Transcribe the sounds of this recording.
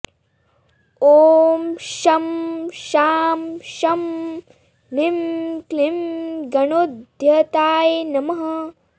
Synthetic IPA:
oːmʃɐmʃaːmʃɐm | nimklimɡɐnod̪ʱjɐt̪aːjnɐmɐɦɐ

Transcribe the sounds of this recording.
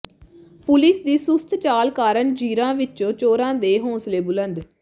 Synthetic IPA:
pʊlɪsd̪iːsʊst̪ʰt͡ʃaːlkaːɾəɳd͡ʒiːɾãːʋɪt͡ʃõːt͡ʃoːɾãːd̪eːɦõːsleːbʊlənd̪

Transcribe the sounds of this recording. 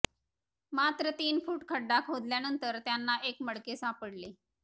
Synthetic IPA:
mat̪ɾət̪iːnfuːʈkʰəɖːakʰɦod̪ljanənt̪əɾt̪janːaʔekməɽkesapəɽle

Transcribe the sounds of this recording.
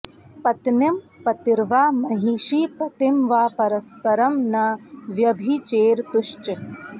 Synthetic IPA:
pɐt̪nɐm | pɐt̪iɾʋaːmɐɦiːʃiːpɐt̪imʋaːpɐɾɐspɐɾɐmnɐʋjɐbʱit͡ʃeːɾt̪uʃt͡ʃ

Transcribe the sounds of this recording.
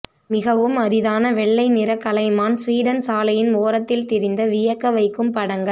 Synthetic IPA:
mɪɣɐʋɯmɐɾɪðaːnɐʋɛɭːɐɪnɪɾɐkːɐlɐɪmaːnsʋiːɽɐnsaːlɐjɪnmoːɾɐt̪ːɪlt̪ɪɾɪnd̪ɐʋɪjɐkːɐʋɐɪkːɯmpɐɽɐŋɡɐɭ

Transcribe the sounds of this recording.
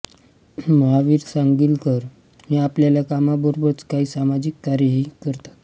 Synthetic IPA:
məɦaʋiːɾsaŋɡiːlt̪əɾ | niapljaljakamabɔɾbəɽt͡skaɦiːsamad͡ʑikːaɾjəɦiːkəɾt̪ḁt̪

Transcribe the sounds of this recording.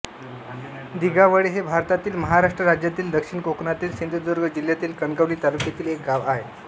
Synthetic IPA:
d̪iɡaʋəɽiɦebʱaɾt̪at̪iːlməɦaɾaʂʈɾəɾad͡ʑjat̪iːld̪əkʂiɳkoknat̪iːlsind̪ʱud̪uɾɡəd͡ʑil̤ːjat̪iːlkənkəʋliːt̪alukjat̪iːlek̚ɡaʋaɦe

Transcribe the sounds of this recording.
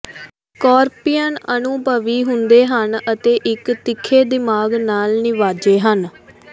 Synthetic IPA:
kɔːɾpɪjənənʊːbəʋiːɦʊnd̪eːɦənət̪eːʔɪkt̪ɪkʰːeːd̪ɪmaːɡnaːlnɪʋaːd͡ʒeːɦən

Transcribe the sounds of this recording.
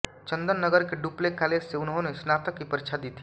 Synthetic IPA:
t͡ʃə̃nd̪ənːəɡəɾkeɖuːplekaːleːd͡ʒseʊnɦõnesnaːt̪əkːipəɾt͡ʃʰad̪iːt̪ʰi

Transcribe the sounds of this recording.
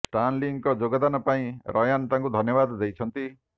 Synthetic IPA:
sʈanliŋkɔd͡ʒoɡɔd̪anɔpaĩɾʔɔjant̪aŋkud̪ʱɔnjɔβad̪d̪ejt͡ʃʰɔnt̪i

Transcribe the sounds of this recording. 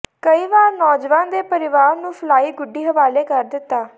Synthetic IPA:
kəiːʋaːɾnɔːd͡ʒʋãːnd̪eːpəɾɪʋaːɾnũːpʰəlaːiːɡʊɖːiːɦəʋaːleːkəɾd̪ɪt̪ːaː

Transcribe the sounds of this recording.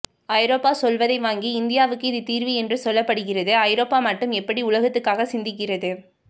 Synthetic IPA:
ɐɪɾoːpaːsɔlʋɐðɐɪʋaːŋɡiɪnd̪ɪjaːʋɯkːɯɪðɯt̪iːɾʋiɛndrɯsɔlːɐpːɐɽɯɣɪrɐðɯɐɪɾoːpaːmɐʈːɯmɛpːɐɽiʊlɐɣɐt̪ːɯkːaːɣɐsɪnd̪ɪk̬ːɪrɐðɯ

